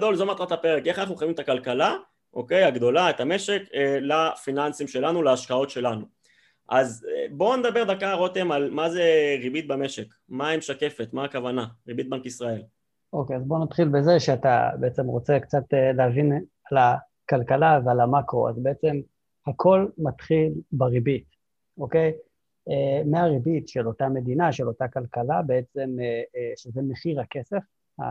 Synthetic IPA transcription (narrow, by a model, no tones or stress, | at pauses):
d̪o̞lzo̞mat̪ʁat̪apeʁeke̞χanaχnuχavimet̪akalkala | oke̞jaɡd̪o̞laet̪ame̞ʃe̞kelafinansimʃe̞lanulaːʃkao̞tʃe̞lanu | ʔazbo̞nedabe̞ʁd̪akaʁot̪emalmazeʁibit̪̚bame̞ʃek | maimʃake̞fet̪maːkavanaʁibit̪̚bankisʁae̞l | o̞keazbo̞nat̪χilbeze̞ʃeat̪a̰beet͡semʁo̞t͡sekt͡satelehavin | ala | kalkalavealamako̰a̰zbeet͡se̞m | hakʰo̞lmat̪χilbaʁibit | o̞ke̞j | emeaʁibitʃelo̞tame̞dinaʃelo̞takalkalabeet͡se̞mʃezeme̞χiʁhake̞se̞f | ha̰